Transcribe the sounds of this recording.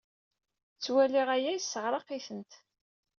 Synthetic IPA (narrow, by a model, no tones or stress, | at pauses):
t͡sːwæliʁæjæjsːəʁɾˤɑqiθənt̪